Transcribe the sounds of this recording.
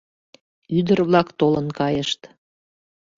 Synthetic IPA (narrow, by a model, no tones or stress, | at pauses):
yd̪ərβlɑkt̪olənkɑjəʃt̪